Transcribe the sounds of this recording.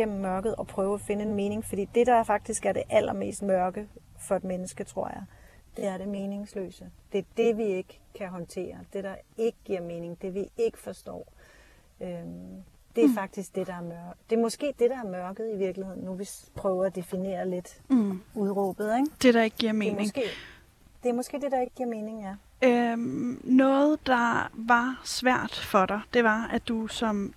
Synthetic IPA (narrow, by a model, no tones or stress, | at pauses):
ɡ̥em̰m̩ːɶɐɡ̥ð̩ˠɒ̽pʰʁœːʊæfe̝nəenme̝ːne̝ŋfɒ̽d̥ḭːd̥e̝ɾ̥ɑ̈fɑ̈ɡ̥̚d̥isɡ̥æɐɾ̥e̝ʔæl̰ɐme̝̰ːsd̥mɶɐɡ̥əfɒ̽e̝d̥menəsɡ̥ət͡sʰʁo̝ɐ̰jɑ̈ɪd̥e̝æɐɾe̝me̝ːne̝ŋslø̰ːsəd̥e̝d̥e̝ʋie̝ɡ̥ | kʰːæɦɒ̽nt͡sʰe̝̰ːɐd̥e̝ɾ̥ɑ̈e̝ɡ̥əɡ̥iɐ̰me̝ːne̝ŋd̥e̝ʋie̝ɡ̥ə̥fɒ̽sd̥ɒ̰ː | ø | d̥e̝æɐfɑ̈ɡ̥̚d̥isɡ̥̚d̥e̝ɾ̥ɑ̈æɐmœɐɡd̥e̝ɐmɒ̽sɡ̥e̝̰ːd̥e̝ɾ̥ɑ̈æɐmɶɐɡ̥əð̩ˠiʋiɐɡ̥lihe̝ð̰ˠnːuʋispʰʁœːʊɐæd̥e̝fine̝̰ːɐle̝d̥uðˠʁɔːb̥ð̞̩ˠeŋd̥e̝ɾ̥ɑ̈e̝ɡ̥əɡ̥iɐ̰me̝ːmneŋɡ̥e̝̰ | d̥e̝æɐmɒ̽sɡ̥e̝̰ːd̥e̝d̥ɑ̈e̝ɡ̥əɡ̥iɐ̰me̝ːne̝ŋjæ | ø | nɔ̽ːð̩ˠd̥ɑ̈ʋɑ̈sʋæɐ̰d̥fɒ̽ɾɑ̈ɪd̥e̝ʋɑ̈æd̥usɒ̽m